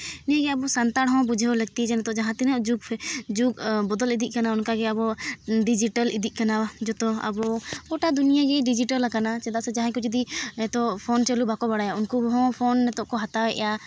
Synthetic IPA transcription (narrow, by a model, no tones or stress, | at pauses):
niaɡɛabɔsant̪aɽɦɔ̃bud͡ʒʱɛwləɡ̚t̪id͡ʒɛnɛt̪ɔʔd͡ʒaɦãt̪ɛnɛd͡ʒuɡʰd͡ʒukbɔd̪ɔlid̪iʔ̚kanaunkaɡɛabɔɖid͡ʒiʈəlid̪ʱiʔ̚ˀkanad͡ʒɔt̪ɔa̰bɔkɔʈad̪unijaɡɛɖid͡ʒiʈəlakanat͡ʃɛd̪aʔsɛd͡ʒaɦãkɔd͡ʒud̪iɛt̪ɔʔpʰɔnt͡ʃɛlubʱakɔbaɽajaunkubɦɔ̃pʰɔnːɛt̪ɔʔkɔɦat̪awɛʔɛ̰ja